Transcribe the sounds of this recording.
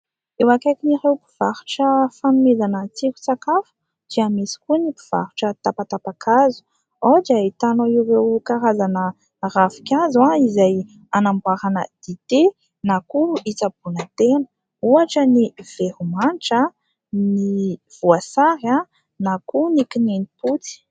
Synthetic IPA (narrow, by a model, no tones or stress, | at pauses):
ewakajkinirewpiv̥aɾuʈ͡ʂəfanumezanət͡sikʲu̥t͡sakafu̥ | d̪̥iamisi̥kunipi̥v̥a̰ɾuʈ͡ʂət̪apap̪t̪apakʰazu̥ | od͡ʒait̪anoiwrewkaɾazanə | rafi̥kʲazaizaj | anambaɾanə̰d̪̥it̪e | nakuit͡sabunət̪enə̥ | uaʈ͡ʂəniv̥eɾumanʈ͡ʂa | niv̥uasaɾa | nakunikininiput͡si̥